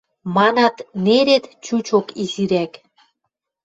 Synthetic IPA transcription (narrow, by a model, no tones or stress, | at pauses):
mɑnɑt̪neɾet̪t͡ɕut͡ɕokiziɾæk